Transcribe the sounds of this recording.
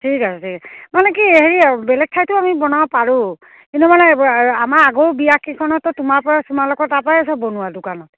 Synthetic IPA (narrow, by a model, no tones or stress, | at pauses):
tʰikasɔtʰikmanɛkieɦeɹibɛlɛk̚tʰajtʊamibɔnawapaɹʊ̃ | kinumanɛamaɹaɡowbijakikʰɔnɔtːɔtumaɹpɔɹasumalɔkɔtapajasɔbonuwadʊkanɔt̚